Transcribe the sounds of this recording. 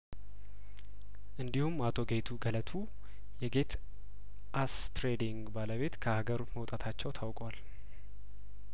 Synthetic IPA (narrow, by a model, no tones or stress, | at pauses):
ʔɨnd̪ihumːat̪ʰo̞ɡe̞t̪ʰuɡələt̪ʰu | jɛɡe̞t̪ | ʔast̪ɾed̪iŋɡbaləβe̞t̪kʰəhaɡəɾot̪məwt̪ʼat̪ʰat͡ʃːɛwt̪ʰawkʼwal